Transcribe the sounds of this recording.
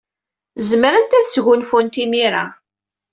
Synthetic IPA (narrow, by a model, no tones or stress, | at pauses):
zməɾənt̪æθəsʝʊnfʊnt̪iniɾa̰